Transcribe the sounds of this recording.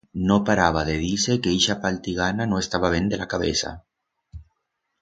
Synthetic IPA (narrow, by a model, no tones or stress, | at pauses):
nopaɾaβ̞aðeðisekeiʃapalt̪iɣananoest̪aβaβend̪elakaβḛsa̰